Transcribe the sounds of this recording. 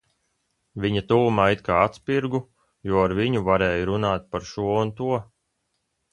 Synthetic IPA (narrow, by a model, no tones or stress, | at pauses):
vʲiɲat̪uːmait̪̚kaːat̪spiɾɡu | juɔaɾviɲuvaɾɛːjɾunaːt̪̚paɾʃuɔunt̪uɔ